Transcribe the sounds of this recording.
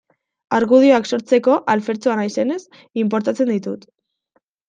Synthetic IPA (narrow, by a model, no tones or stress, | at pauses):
aɾɣuð̞io̞akso̞ɾt͡se̞ko̞ʔalfe̞ɾt͡soanajse̞ne̞s | imp̬o̞ɾt̪at͡se̞nd̪it̪ut̪